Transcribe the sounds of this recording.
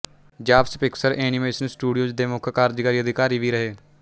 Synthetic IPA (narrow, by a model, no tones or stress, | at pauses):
d͡ʒaːpspɪksəɾʔeːnɪmeːsənsʈuːɖijoːd͡ʒd̪eːmʊkʰkaːɾd͡ʒkaːɾiːəd̪ɪkaːɾiːʋiːɾəɦeː